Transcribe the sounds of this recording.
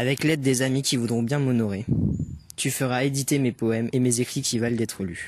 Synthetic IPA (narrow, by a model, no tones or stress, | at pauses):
avɛklɛd̪ːezamikʲivud̪ʁɔ̃bjɛ̃mɔnɔʁe | t̪yfəʁaed̪it̪emepɔɛmemezekχikʲivald̪ɛt̪χəly